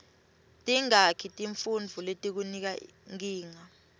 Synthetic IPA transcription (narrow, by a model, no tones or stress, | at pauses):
tʼiŋakʰitʼiɱfund͡vʱuletʼik̬unik̬a | ŋiːŋa